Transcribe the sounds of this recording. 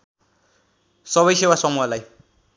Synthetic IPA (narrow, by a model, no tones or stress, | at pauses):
sʌβʌjsewasʌmuɦʌlaj